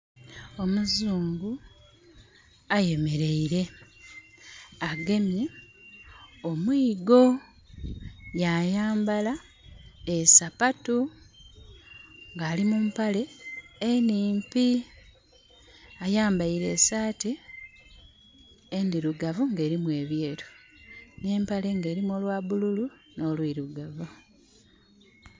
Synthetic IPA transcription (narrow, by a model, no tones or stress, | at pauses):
o̞muzuːŋɡu | aje̞me̞ɾe̞iɾe̞ | aɡe̞mji | omwiːɡo̞ | jajaːmbala | esapatu | ŋɡaːlimumpale̞ː | niːmpi | ajaːmbaiɾe̞saːti | endiɾuɡavuŋɡe̞ːɾimwe̞ːβje̞ːɾo | ne̞ːmpale̞ŋɡe̞ːɾimolwaːβululu | no̞ːlwiɾuɡavu